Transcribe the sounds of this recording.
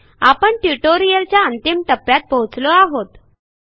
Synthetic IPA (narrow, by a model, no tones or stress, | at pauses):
apəɳʈjuʈoɾijəɾt͡ɕjaənt̪imʈəpːjat̪̚pəwut͡slɔaɦot̪